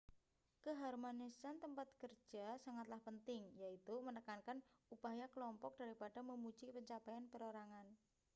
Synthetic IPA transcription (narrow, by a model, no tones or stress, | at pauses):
kəɦarmonisant̪əmpat̪̚kər̥ʒ̥asaŋat̪lahpənt̪ɪŋjait̪umənəkankanupajakəlɔmpɔk̚d̥a̤ɾipaɖ̥a̤məmu̥d͡ʒ̥ipəɲt͡ʃapajanpəɾoɾaŋan